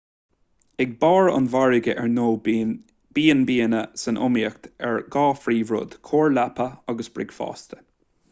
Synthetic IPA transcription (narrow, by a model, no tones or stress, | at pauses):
ɛɡ̚bɑːɹʊ̰nvaɹɪɡəʔɛɹnoː | b̥iːənbiːənəsənʔʊ̰miəkt̪ɛɹɡɑːfɾiːvɾʊ̰d̪̥kʰoːɹlapʰəɑɡəsbɾɪ̰ɡ̥fɑ̰ːst̪ə̥